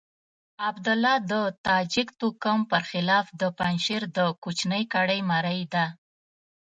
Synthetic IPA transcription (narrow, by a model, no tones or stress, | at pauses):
abd̪ʊlːɑd̪ət̪ɑd͡ʒɪkt̪okampəɾxɪlɑfd̪əpanʃiɾd̪əkut͡ʃnəjkaɽəjmaɾəjd̪a